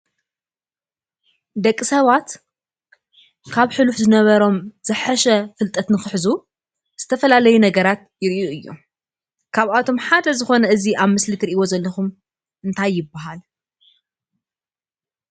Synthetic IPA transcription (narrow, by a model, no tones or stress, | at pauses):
d̪ɐkʼːisɐβat̪ | kʰaβħɨluħzɨnɐβɐɾo̞mz̥ɨħɐʃɐfɨlt̪ʼɐt̪nɨxɨħzu | z̥ɨt̪ʰɐfɐlalɐjunɐɡɐɾat̪̚jɪɾʔiuɨjːo̰ | kʰaβʔat̪ʰo̞mħad̪ɐzɨxo̞nɐɨziʔaβmɨslit̪ʰɨɾiʔiwo̞zɐlːɐxum | ɨnt̪ʰajːɪbːaɦal